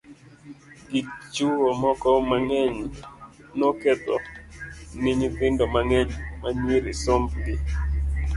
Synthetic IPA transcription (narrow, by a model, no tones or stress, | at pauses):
ɡit͡ʃuwomɔkɔmaŋɛɲ | noket̪ɔ | niɲipɪndomaŋɛɲmaɲiɾɪsombɡɪ